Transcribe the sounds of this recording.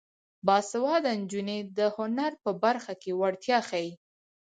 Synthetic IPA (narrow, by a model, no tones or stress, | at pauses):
bɑsawɑd̪and͡ʒuned̪əhʊnaɾpəbaɾxakewaɽt̪jɑxaji